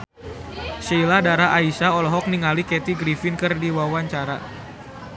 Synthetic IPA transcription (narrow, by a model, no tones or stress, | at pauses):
seiladaɾaʔaisaɔlɔɦɔk̚niŋalikɛt̪iɡɾifinkɨrdiwawaɲt͡ʃaɾa